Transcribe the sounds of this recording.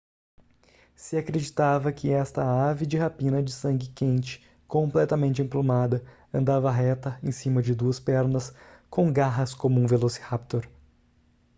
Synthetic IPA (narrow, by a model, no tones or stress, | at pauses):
sɪakɾed͡ʒit̪avɐkɪɛst̪ɐavɪd͡ʒɪɦapĩnɐd͡ʒɪsɐ̃ŋɡɪkẽnt͡ʃɪ̥ | kõplɛt̪ɐmẽnt͡ʃɪẽplomad̪ɐ | ɐ̃nd̪avɐɦɛt̪ɐẽj̃sĩmɐd͡ʒɪd̪uɐspɛɾnɐskõw̃ɡaɦɐskõmʊũvelosɪ̥hap̚t̪oɾ